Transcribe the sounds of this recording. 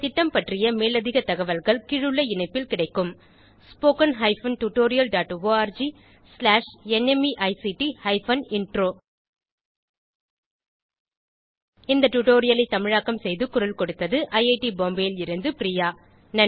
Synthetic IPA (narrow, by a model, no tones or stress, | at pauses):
t̪ɪʈːɐmpɐʈrɪjɐmeːlɐðɪɣɐt̪ɐɣɐʋɐlɣɐɭkɪɻɯɭːɐɪnɐɪpːɪlkɪɽɐɪkːɯm | spoːkɐnɦɐɪfɐnʈʊʈːoːɾɪjɐlɖaːʈːʋoːaːɾd͡ʒi | slaːʂɛnɛmiʔɐɪsiʈihɐɪfɐnɪɳʈroː | ɪnd̪ɐʈʊʈoːɾɪjɐlɐɪt̪ːɐmɪɻaːkːɐmsɛjðɯkʊɾɐlkɔɽɯt̪ːɐðɯʔɐɪɐɪʈiboːmbɐjɪlɪɾɯnd̪ɯpɪɾiːjaː | nɐ